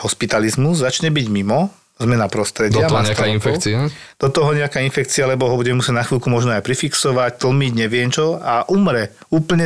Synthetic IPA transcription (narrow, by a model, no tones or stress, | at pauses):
hɔspit̪alizmuzzat͡ʃɲɛbiɟmimɔ | zmɛnapɾɔst̪ɾɛɟɪaaɲɛaainfɛkt͡siad̪̥ɔt̪ɔɦɔɲɛakainfɛk̚t͡sialɛbɔɦɔbuɟɛmɛmusjɛɟnaxʋiːlˠkumɔʒnɔajpɾifiksɔʋact̪l̩miɟɲɛʋɪɛnt͡ʃɔaʔumɾɛ | uːpl̩ɲɛ